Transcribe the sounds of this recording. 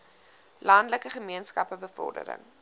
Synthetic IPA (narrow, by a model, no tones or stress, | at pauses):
lɐndləkəχəmiənskɐpəbəfɔ̰rdə̰ɾə̰ŋ